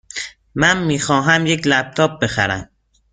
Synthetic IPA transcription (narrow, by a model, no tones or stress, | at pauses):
mænmiːxɒːɦæmjeklæb̥̚t̪ʰɒːb̚be̞xæ̰ɾæ̰m